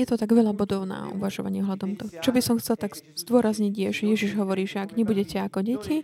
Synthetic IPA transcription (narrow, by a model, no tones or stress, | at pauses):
jɛt̪ɔt̪aɡʋɛʎabɔd̪ɔʊna̰ṵʋaʒɔʋa̰ɲɪɛɦlad̪ɔmt̪ɔt͡ʃɔbisɔmxt͡sɛlt̪aɡz̥d̪ʊɔɾazɲiɟjɛʒɛjɛʒiʒɦɔʋɔɾiːʒɛaɡɲɛbuɟɛcɛakɔɟɛcʰi